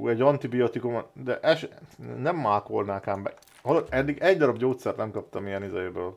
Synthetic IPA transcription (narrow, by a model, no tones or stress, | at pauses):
ṵɛɟɒnt̪ibijot̪ikumd̪ɛʔɛʃnɛmːalko̞lnaːkaːmbɛ̰ | hɒloɛd̪ːiɡɛɟd̪ɒɾɒbɟoːt̪sɛrt̪nɛmkɒp̚t̪ɒmijɛnizɛjeːbøːl